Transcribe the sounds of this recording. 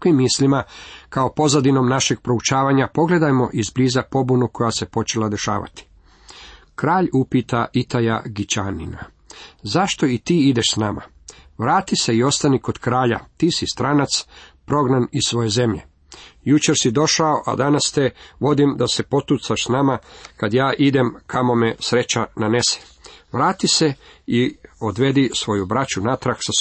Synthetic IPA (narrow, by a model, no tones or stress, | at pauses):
imːislimakao̞po̞zad̪ino̞mnaʃe̞ɡ̥̚pɾo̞ut͡ʃaːʋaɲapo̞ɡle̞d̪ajmo̞ʔizbliːzapo̞bunuko̞jase̞po̞t͡ʃe̞lad̪e̞ʃa̰ːʋa̰t̪i̥ | kɾaːʎupit̪aʔit̪aja̰ɡit͡ɕanḭna̰ | zaʃt̪o̞it̪iːid̪e̞ʃsnama̰ | ʋɾaːt̪ise̞io̞st̪aniko̞d̪̥kɾaːʎa̰t̪iːsist̪ɾanat̪spɾo̞ɡnanisʋo̞je̞ze̞mʎe | jut͡ʃe̞ɾsid̪o̞ʃao̞ʔa̰d̪anast̪eʋo̞d̪imd̪ase̞po̞t̪ut̪saʃsnamakad̪jaːʔid̪emkʰamo̞mesɾe̞t͡ɕananese̥ | ʋɾaːt̪ise̞io̞d̪ʋe̞d̪isʋo̞jubɾat͡ʃunat̪ɾaksa